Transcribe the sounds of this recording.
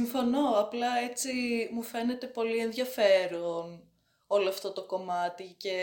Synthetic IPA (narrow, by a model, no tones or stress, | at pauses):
iɱfo̞no̞ɐplɐet͡simufe̞ne̞t̪e̞po̞lie̞nðʝɐfe̞ɾon | o̞loɐft̪o̞t̪o̞ko̞mɐt̪ice̞